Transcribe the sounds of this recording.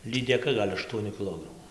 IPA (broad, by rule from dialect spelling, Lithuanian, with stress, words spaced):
lʲiːdʲɛˈkɐ ˈɡɐlʲ ɐʃˈtuɔnʲʊ kʲɪˈlˠoːɡrɐmʊ